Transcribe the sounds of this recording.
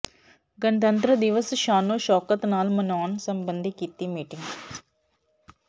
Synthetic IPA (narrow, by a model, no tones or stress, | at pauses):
ɡənt̪ə̃nt̪ɾəd̪ɪʋəsʃaːnoːʃɔːkət̪naːlmənaːɳsəmbənd̪ʱikiːt̪iːmiːʈɪ̃ŋɡ